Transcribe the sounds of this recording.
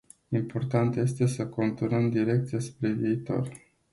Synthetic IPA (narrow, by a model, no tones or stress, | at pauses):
impo̞rt̪ant̪je̞st̪e̞səko̞nt̪unəmd̪iɾe̞k̚t̪sijaspɾe̞viːt̪o̞̰r